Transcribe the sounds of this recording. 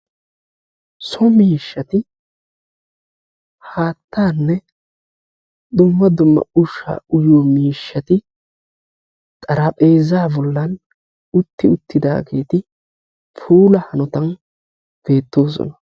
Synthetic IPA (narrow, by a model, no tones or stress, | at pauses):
sɔmiːʃːɐt̪ɪ | haːt̪ːaːnːɛ | d̪ʊmːɐd̪ʊmːɐ̰ʊʃa̰ːʊjoːmiːʃːɐt̪ɪ | t̪ʼɐɾɐpʼe̞ːzaːbɔlːɐn | ʊt̪ːɪʊt̪ːɪd̪a̰ːɡeːt̪ɪ | pʰuːlɐhɐnɔt̪ɐn | b̥e̞ːt̪ːo̞ːs̬ɔ̰nɐ